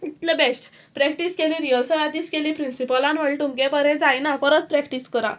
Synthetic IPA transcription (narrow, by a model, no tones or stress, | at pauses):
it̪lebɛsʈ | pɾɛkʈiskelĩɾijəlsəad̪iskelipɾinsipəlãnʋəɭʈ̪umkẽpəɾɛ̃d͡zajnafəɾət̪pɾɛkʈiskəɾa̰